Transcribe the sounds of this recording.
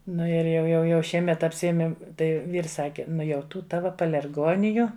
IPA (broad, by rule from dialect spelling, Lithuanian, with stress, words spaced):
ˈnʊ ɪr jɛʊ ˈjɛʊ jɛʊ ˈʃʲiɛmʲɛt ɐpʲsʲɪˈæːmʲeːm ˈtɐɪ ˈʋʲiːrs ˈsɑːkʲɪ ˈnʊ jɛʊ ˈtuː ˈtɑːʋɐ pɐlʲɛrˈɡoːnʲɪjʊ